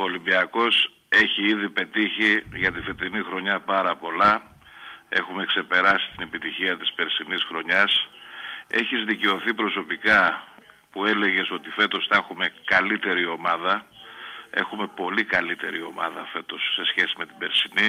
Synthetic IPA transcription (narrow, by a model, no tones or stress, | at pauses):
olimbiɐko̞s | e̞çiiðipe̞t̪içiʝɐt̪ifet̪inixɾo̞ɲɐpɐɾɐpo̞lɐ | e̞̰xume̞kse̞pe̞ɾɐsi̥t̪ine̞pit̪içiɐt̪i̥spe̞ɾsinisxɾo̞ɲɐs | e̞çizðice̞o̞θipɾo̞so̞pikɐ | pue̞le̞ʝe̞so̞t̪ife̞t̪o̞sθɐexume̞kɐlit̪e̞ɾio̞mɐðɐ | e̞̰xume̞po̞likɐlit̪e̞̰ɾio̞̰mɐ̰ðɐfe̞t̪o̞sːe̞sçe̞sime̞t̪ibe̞ɾsini